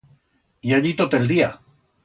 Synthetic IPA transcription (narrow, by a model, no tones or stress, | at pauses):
jaʎit̪ot̪eld̪ia